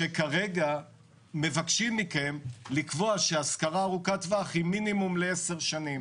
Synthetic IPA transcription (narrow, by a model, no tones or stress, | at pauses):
ʃekaʁe̞ɡa | me̞vakʃimːike̞mlikvo̞aʃeaskaʁaːʁukat̪vaχiminimumleeseʁʃanim